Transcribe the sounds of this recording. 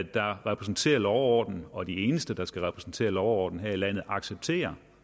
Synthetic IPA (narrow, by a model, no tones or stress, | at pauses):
d̥ɑ̈ʁɛpʰʁɛsn̩t͡sʰe̝̰ːɐlɒʊɒːd̥n̩ɒ̽d̥ie̝ːnəsd̥əd̥ɑ̈sɡ̥æʁɛpʰʁɛsn̩t͡sʰe̝̰ːɐlɒʊɒːd̥n̩ɦeɐ̰ilæn̰ð̞̩ˠɑ̈ɡ̥seb̥̚t͡sʰe̝̰ːɐ